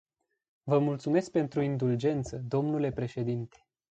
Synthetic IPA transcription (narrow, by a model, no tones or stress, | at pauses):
vəmult̪sume̞sk̚pe̞nt̪ɾuind̪uld͡ʒe̞nt̪səd̪o̞mnule̞pɾe̞ʃe̞d̪int̪e̥